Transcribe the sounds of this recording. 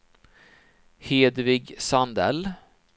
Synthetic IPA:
heːd̪vɪɡsand̪ɛ̰l

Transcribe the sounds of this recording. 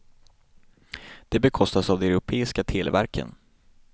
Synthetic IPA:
d̪̥ɛbɛkʰɔst̪asavd̪ɛɛɾʊpʰeːɪskat̪ʰɪlvæ̰ɾkʰə̰n

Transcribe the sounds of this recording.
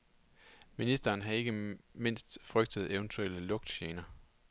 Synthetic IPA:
minisd̥ɐːnɦɑ̈e̝ɡ̥əme̝n̰sd̥fʁœɡ̥̚d̥əð̞̩ˠeʊnt͡sʰuel̰əlɔ̽ɡ̥d̥ɕeːnɐ

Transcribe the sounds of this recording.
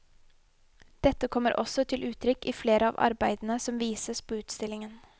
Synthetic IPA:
d̪̥ɛt̪ːəkʰɔmːəɾʔɔ̰sɔt̪ʰɪlʔʉːt̪ʰɾʏkːiːfleːɾʔəɑ̰ːʋɑ̰ɾbæɪd̪n̩əsɔmʋiːsəspʰoːʉːt̪st̪ɪlɪŋən

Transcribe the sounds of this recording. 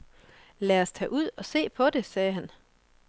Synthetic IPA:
læːɐst͡sʰɛ̰ːʔuð̞̰ˠɒ̽se̝̰ːpʰɒ̽d̥e̝sɛːɦæn

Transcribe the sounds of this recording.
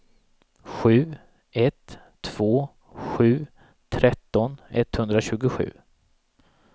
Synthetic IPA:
ɧʉ̟ː | ɛt̪ʰː | v̥oː | ɧʉ̟ː | t̪ʰɾɛt̪ːɔnɛ̰t̪ːhɵnd̪ɾaɕʉ̟ːɡʊɧʉ̟̰ː

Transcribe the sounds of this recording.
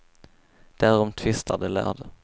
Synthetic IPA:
d̪̥æːɾɔmt̪ʰvɪst̪ʰaɖ̪ɛlæ̰ːɖ̪ə

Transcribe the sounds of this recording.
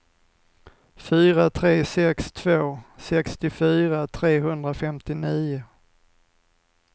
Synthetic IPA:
fyːɾat̪ʰɾeːsɛkst̪ʰvoːsɛkst̪ɪfyːɾat̪ʰɾeːɦɵnd̪ɾafɛmt̪ɪniːʊ

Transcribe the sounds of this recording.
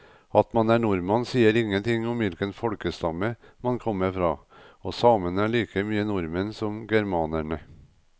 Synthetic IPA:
ɑt̪mɑnæɳʊɾmɑnsiːəɾɪŋːənt̪ʰɪŋɔmʋɪlkənfɔɽkəst̪ɑməmɑnkʰɔmːəɾfɾɑː | oːsɑːmənæɭiːkʰəmyːənʊɾmənsɔmɡæɾmɑːnæɳə

